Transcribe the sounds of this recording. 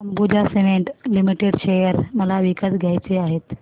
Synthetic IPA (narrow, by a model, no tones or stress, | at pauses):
ɐmɡud͡ʑaseʋẽɳʈlimiʈeɖʃejəɾmɐlaʋikəsɡʱait͡ɕeaːɦeːt̪